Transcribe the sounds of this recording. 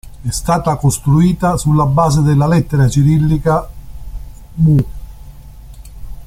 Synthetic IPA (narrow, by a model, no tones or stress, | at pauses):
ɛst̪aːt̪akost̪ɾuiːt̪asulːabːaːzed̪elːalɛt̪ːeɾat͡ʃiɾilːika | mu